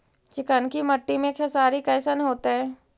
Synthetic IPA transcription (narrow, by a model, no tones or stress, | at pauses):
t͡ʃɪkənkimɐʈːimẽkʰɛsaːɾikɛːsənɦoːt̪eɦɛː